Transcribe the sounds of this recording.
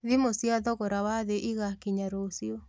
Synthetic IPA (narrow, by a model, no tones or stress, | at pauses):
ðimosjaðɔɣoɾawaðeʔiɣakiɲaɾosjo